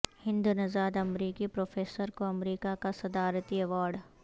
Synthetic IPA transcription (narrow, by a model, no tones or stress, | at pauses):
hɪ̃nd̪unɐzaːd̪ɐmɾiːkipɾoːfʰeːsəɾkoɐmɾiːkakasɐd̪aːɾt̪iɛʋaːɾɖ